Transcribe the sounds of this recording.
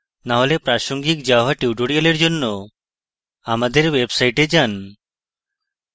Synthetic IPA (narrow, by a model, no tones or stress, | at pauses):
naɦolepɾaʃoŋɡik̚d͡ʒaɦaʈiuʈoɽioleɾd͡ʒonːo | amad̪eɾwebsajʈed͡ʒan